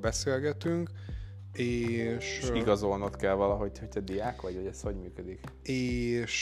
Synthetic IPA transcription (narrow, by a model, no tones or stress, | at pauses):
bɛseːlɡɛt̪yŋk | eːʃiɡɒzo̞lnot̪kɛlvɒlɒɦo̞ɟhoct̪ɛd̪ijaːkʋɒɟʋɒɟɛsho̞ɟmyːkød̪ik | eːʃ